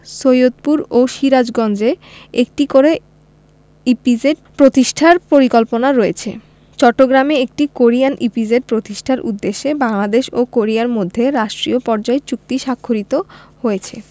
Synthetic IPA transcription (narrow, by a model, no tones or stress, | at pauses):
sojod̪̚puɾoʃiɾad͡ʑɡɔnd͡ʑe | ek̚ʈikoɾe | ipid͡ʑeɖpɾot̪iʃʈʰaɾpoɾikolponaɾɔet͡ɕʰḛ | t͡ɕɔʈːoɡɾameek̚ʈikoɾianʔipid͡ʑeɖ̚pɾot̪iʃʈʰaɾʔṵd̪ːeʃːebaŋlad̪eʃokoɾiaɾmod̪ʱːeɾaʃʈɾiopɔɾd͡ʑaet͡ɕuk̚t̪iʃakʰːoɾit̪ohoet͡ɕʰe